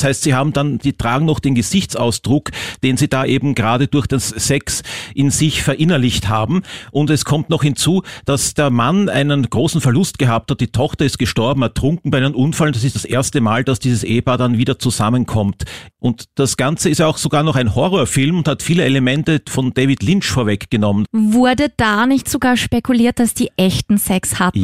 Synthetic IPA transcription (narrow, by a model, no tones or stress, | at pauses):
shaɪstz̥iɦaːbm̩danz̥iːtʁ̥aːɡŋ̩nɔχd̥eːnɡəzɪçt͡sa̰ʊsd̥ʁʊkd̥eːnziːdaːʔeːbm̩ɡəʁaːɾəd̥ʊɐçd̥asːɛksʔɪnzɪçfɛɐʔɪnɐlɪçthaːbm̩ʔʊntɛskʰɔmtnɔχhɪnt͡suːd̥asd̥eːɐmana̰ɪnənɡ̥ʁoːsn̩fɛɐlʊst̚ɡ̥əɦaːp̚that̚d̥iːtʰɔxtɐɪst̚ɡ̥əʃtɔɐbm̩ɛɐtʁ̥ʊŋkŋ̩b̥aɪdɪnʔʊnfalnd̥as̬ɪstd̥asʔeːɐstəmaːld̥asd̥iːzəsʔḛːəpaːdanviːdɐt͡suzamənkʰɔmtʔʊntd̥asɡ̥ant͡səɪstjaʊxz̥oɡaːɐnɔχæɪnhɔʁɔːɐfɪlmʊnthatfiːləeləmɛntəfɔnd̥evɪtlɪnʃfoːɐvɛkɡ̥ənɔmənvʊɐdəd̥aːnɪçtz̥oɡaːɐʃpekuliːɐt̚d̥asd̥iːʔɛçtn̩sɛkshat